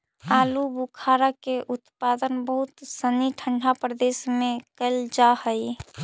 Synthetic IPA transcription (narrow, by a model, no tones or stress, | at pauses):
alubukʰaɾakeʔut̪pad̪ənbəɦut̪səniʈʰəɳɖʰʱapɾəd̪esmẽkəɪld͡ʒahəi